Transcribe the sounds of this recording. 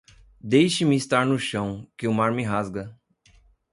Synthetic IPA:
d̪ejʃɪmɪːst̪aɾnʊʃɐ̃w̃kɪʊmaɾmɪɦazɡɐ

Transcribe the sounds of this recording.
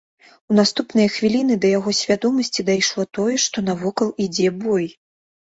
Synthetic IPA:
un̪ast̪upnɐjɐxvʲilʲinɨd̪ɐjaɣɔsʲvʲad̪ɔmɐsʲt͡sʲid̪ajʂlˠɔt̪ɔjɛʂt̪ɔnɐvɔkɐlˠid͡zʲɛbɔj

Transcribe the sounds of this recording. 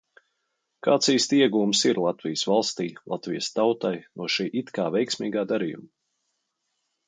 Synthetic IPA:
kaːt̪siːst̪iɛɡuːmsiɾlˠat̪vijəsvalˠst̪iːlˠat̪vijst̪awt̪ajnuɔʃiːʔit̪kaːvʲɛjksmiːɡaːd̪aɾiːjṵm

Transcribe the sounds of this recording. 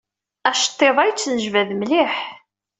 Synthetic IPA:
æʃt̪ˤːeðˤæjt͡sːnəʒvæðmliħ

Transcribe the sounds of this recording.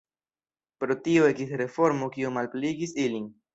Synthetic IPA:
pɾo̞tio̞e̞kisɾe̞fo̞ɾmokiomalpliɡisilin

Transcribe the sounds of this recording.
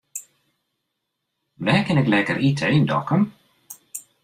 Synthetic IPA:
ʋɛːkɪnɛklɛːkəɾitʰəejndɔ̰kəm

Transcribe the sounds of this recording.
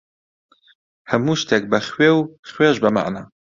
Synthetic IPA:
həmuːʃt̪ʰek̚bɐxwewχweʒbɐma̰ʔna

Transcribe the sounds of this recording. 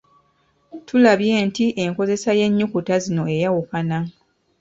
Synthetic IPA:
tʰulaβje̞ːntiʔe̞ŋko̞ze̞saje̞ɲːukutazino̞e̞jawukana

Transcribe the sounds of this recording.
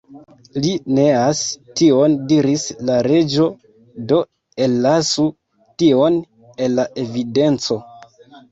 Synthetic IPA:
lineastio̞ndiɾislaɾe̞d͡ʒo̞ | do̞ | e̞lːasu | tio̞n | e̞lːaʔe̞vide̞nt͡so̞

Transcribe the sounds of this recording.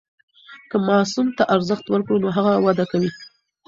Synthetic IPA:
kəmɑsumt̪aʔaɾzəxt̪wəɾkɽonoɦaɣawad̪akawi

